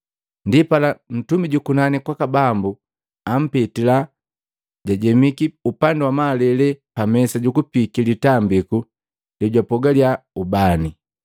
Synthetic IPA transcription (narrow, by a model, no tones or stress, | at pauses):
ndipalan̩tumiɟukunanikwakabambu | am̩pɛtila | ɟaɟɛmikiupandɛwamaːlɛlɛpamɛsaɟukupikilitambiku | dɛɟwapɔɡaljaubani